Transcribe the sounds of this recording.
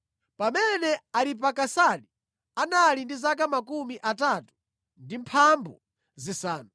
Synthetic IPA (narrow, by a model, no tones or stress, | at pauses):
pamɛnɛalip̬akasali | analindizak̬amakumiʔataːtu̥ | ndimpʰambɔ̰ | zisaːnu